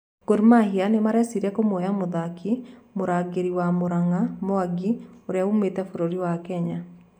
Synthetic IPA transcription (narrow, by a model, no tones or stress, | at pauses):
ɡ̥oɾmaɦianemaɾɛsiɾɛkomojamoðakimoɾaɡeɾiwamoɾaŋamɔaɡioɾeaumetɛfoɾoɾiwakɛɲa